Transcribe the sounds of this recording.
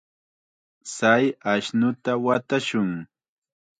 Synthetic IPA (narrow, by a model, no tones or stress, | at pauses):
sajaʃnʊt̪awat̪aʃʊŋ